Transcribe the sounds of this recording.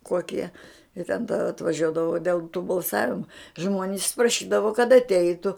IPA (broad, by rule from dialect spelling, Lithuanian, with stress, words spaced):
ˈkoːkʲiɛ ɪ tʲɛn tɐ ɐtʋɐˈʒʲuɔdɐʋoː dʲeːlˠ tuː bɐlˠˈsɑːʋʲɪmʊ ˈʒmoːnʲɪs prɐˈʃʲiːdɐʋoː kɐt ɐtʲˈɛɪtʊ